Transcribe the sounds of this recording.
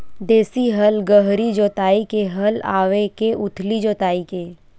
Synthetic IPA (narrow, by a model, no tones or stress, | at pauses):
d̪eːsiɦɐlɡəɦɾid͡ʒoːt̪aːikeɦɐla̰ːʋekeʔʊt̪ʰlid͡ʒoːt̪aːikeː